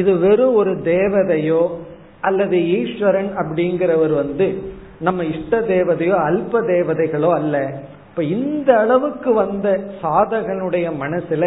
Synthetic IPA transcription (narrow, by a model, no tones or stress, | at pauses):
ɪðɯʋɛɾɯ̃ɔɾɯd̪eːʋɐðɐjoː | ɐlːɐðɯiːʂʋɐɾɐnɐp̬ːɐɽɪnɡɪɾɐʋɐɾʋɐnd̪ɯ | nɐmːɐɪʂʈːɐd̪eːʋɐðɐjoːɐlpɐd̪eːʋɐðɐɪɣɐɭoːɐlːɐ | pːoːɪnd̪ɐːɭɐʋɯkːɯʋɐnd̪ɐsaːðɐɣɐɭɯɽɐjɐmɐnɐsɪlɐ